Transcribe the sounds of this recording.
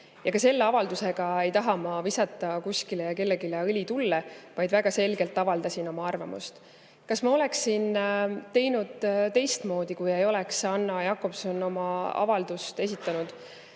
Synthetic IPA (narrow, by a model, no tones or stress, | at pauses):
jɑkɑse̞lːe̞ɑvɑld̪use̞ɡ̥ɑe̞jt̪ɑɦɑmɑvisɑt̪ːˑɑkusʲkilejɑke̞lːe̞ɡileɤlʲit̪ulːevɑjd̪̥væɡ̥ɑse̞lɡe̞lt̪ːˑɑvɑld̪ɑsino̞mɑɑrvɑmṵst̪ | kɑsmɑo̞le̞ksːint̪e̞jnud̪̥t̪e̞jst̪mo̞ːd̪̥ikujejo̞le̞ksɑnːɑjɑkːˑo̞pso̞nːo̞mɑɑ̰vɑld̪̥ust̪e̞s̬ʲit̪ˑːɑnud̪̥